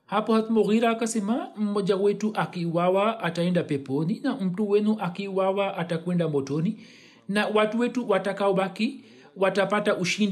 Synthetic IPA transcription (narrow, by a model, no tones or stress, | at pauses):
hapɔhat̪mɔɣiɾaːkasɛmam̩mɔʄawɛtuʔakiwawaʔːtaɛndapɛpɔninam̩tuwɛnuʔakiːwawaʔatakwɛndamɔtɔni | nawatuwɛtuwatakaɔɓaki | watapataʔuʃin